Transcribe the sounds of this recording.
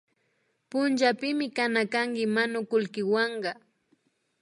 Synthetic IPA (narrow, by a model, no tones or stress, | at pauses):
pʊnt͡ʃapɪmɪkanakaŋkɪmanʊkʊlkɪwɑɴɢɑ